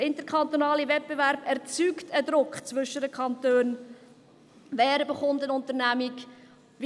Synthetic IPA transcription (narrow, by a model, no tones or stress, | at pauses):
əɪnt̪əɾkχɑnt̪onɑːlivɛt̚b̥evæɾb̥ɛɾt͡syktʰəd̪ɾʊkχt͡svʏʃədəkʰχɑntøːn | vɛːɾbəχʊntənʊnt̪ənæmik | v